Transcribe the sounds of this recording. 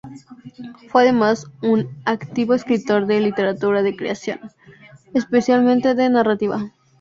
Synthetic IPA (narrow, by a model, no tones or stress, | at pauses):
fweaðe̞masunakt̪iβo̞eskɾit̪o̞ɾðelit̪e̞ɾat̪uɾaðe̞kɾḛasjo̞̰n | espe̞sjalmẽnt̪e̞ðe̞narat̪iβa